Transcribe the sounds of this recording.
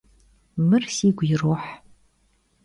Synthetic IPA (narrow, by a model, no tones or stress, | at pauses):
mɨrsiːɡʷjɪroħ